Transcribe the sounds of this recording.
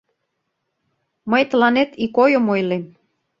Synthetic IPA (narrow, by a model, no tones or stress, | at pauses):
məjt̪əlɑnet̪ikojəmojlem